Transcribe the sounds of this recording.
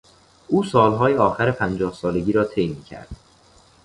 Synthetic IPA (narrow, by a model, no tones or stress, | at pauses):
ʔuːsɒːlɦɒːjeɒːxæɾepʰænd͡ʒɒːhsɒːleɡiːɾɒːt̪ʰe̞jmiːcʰæ̰ɾd̪̥